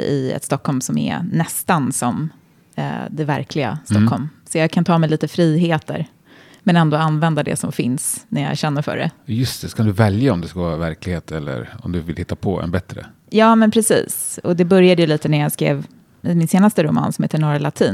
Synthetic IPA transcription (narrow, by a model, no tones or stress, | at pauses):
ɪ̰ɛ̰t̪st̪ɔkhɔlmsɔmɛ̰nɛst̪ansɔm̰ | d̪ɛvæɾkʰlɪɡa̰st̪ɔkːhɔlmsɔjɑːɡkʰant̪ʰɑːmɛjliːt̪əfɾiːɦeːt̪ə̰ɾ | mɛnɛnd̪oːanvɛnd̪ad̪ɛ̰sɔmfɪnsnæjɑ̰æ̰ɾɕɛnːəɾfœ̰ːɖɛ̰jɵst̪ʰɛkʰand̪ɵvɛljaɔmd̪ɛskavɑːɾavæɾklɪɡheːt̪ʰɛlːə̰ɾɔ̰md̪ɵvɪlhɪt̪ːapʰɔɛ̰nbɛt̪ɾə̰ | jɑːmɛnpʰɾɛsḭːsɔd̪ɛbœɾjad̪əjɵliːt̪ənæɾjɑːɡskɾḛːv | mɪnseːnast̪əɾʊmɑ̰ːnsɔmheːt̪əɳɔːɾalat̪ʰiːn